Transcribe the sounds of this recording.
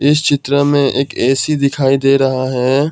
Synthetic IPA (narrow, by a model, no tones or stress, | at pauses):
ɪst͡ʃɪt̪ɾəmẽʔeːkɛːsid̪ɪkʰaːid̪eːɾɐɦaɦɛː